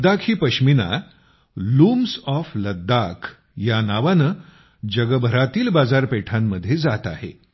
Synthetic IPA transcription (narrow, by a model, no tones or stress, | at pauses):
d̪akʰiːpəɕmina̰ | luːmsɔfləd̪ːakʰ | janaʋanə | d͡ʑəɡəbʱəɾat̪iːlbad͡zaɾpeʈʰamːəd̪ʱːjed͡zat̪a̰ɦḛ